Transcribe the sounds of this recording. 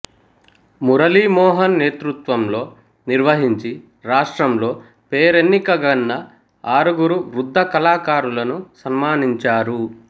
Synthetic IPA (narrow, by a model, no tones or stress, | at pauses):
muɾɐlimɔːɦɐnːeːt̪ɾut̪ʋɐmlo̞ː | niɾʋɐɦiɲt͡ʃi | ɾaːʂʈɾɐmlo̞ː | peːɾenːikɐɡɐnːɐ | aːɾuɡuɾuɾud̪ʱːɐkɐlaːkaːɾulɐnusɐmmaːniɲt͡ʃaːɾu